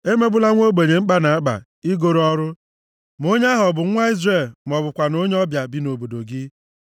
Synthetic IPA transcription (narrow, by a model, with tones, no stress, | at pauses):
e˦me˦ɡ͡bʊ˦la˦ŋʷo˦ɡ͡be˨ɲe˨ŋ͡m̩˦k͡pa˦na˨a˦ɡ͡ba̰˨ | i˦ɡo˨ɾɔ˦ɾʊ˦ | mo˦ɲ˦a˦ɦɔ˨bʊ˨˦ŋʷa˦i˦zre˨lm˨ɔ˨bʊ˨kʷa˨no˦ɲ˦ɔ˦bja˨bi˨no˨bo˨do˨ɡɪ˦